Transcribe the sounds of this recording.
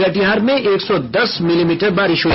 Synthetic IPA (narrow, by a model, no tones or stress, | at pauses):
ɐʈijɦaːɾmẽʔeːksɔd̪ɐsmɪlimiːʈəɾbaːɾɪʃɦoː